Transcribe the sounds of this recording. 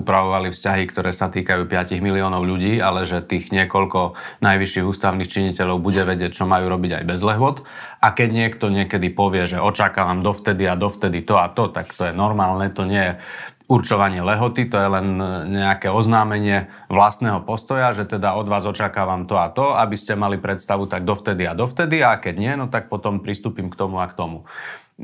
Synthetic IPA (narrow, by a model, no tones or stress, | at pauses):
upɾaʋɔʋalifscaɦikt̪ɔɾʔɛːsat̪iːkajuːpɪaciɣmiliɔːnɔʊʎuɟiːalɛʒɛt̪iːɣɲɪɛkɔʎkɔnajʋiʃːiːɣuːst̪aʊniːxt͡ʃiɲicɛʎɔʊbuɟɛʋɛɟɪɛc̚t͡ʃɔmajuːɾɔbiɟa̰jbɛzlɛɦʊɔt̪akɛɟɲɪɛkt̪ɔɲɪɛkɛd̪ipɔʋɪɛʒɛʔɔt͡ʃakaːʋamd̪ɔft̪ɛd̪iad̪ɔft̪ɛd̪it̪ɔat̪ɔt̪akt̪ɔjɛnɔɾmaːlnɛt̪ɔɲɪɛjɛ | urt͡ʃɔʋaɲɪɛlɛɦɔt̪it̪ɔjɛlɛnɲɛakɛɔznaːmɛɲɪɛ | ʋlast̪nɛːɦɔpɔst̪ɔjaʒɛt̪ɛd̪aɔd̪ʋaːzɔt͡ʃakaːʋamt̪ɔat̪ɔabiscɛmalipɾɛt̪st̪aʋut̪aɡ̚d̪ɔft̪ɛd̪iad̪ɔft̪ɛd̪iakɛɟɲɪɛnɔt̪ak̚pɔt̪ɔmpɾist̪uːpimkt̪ɔmuakt̪ɔmu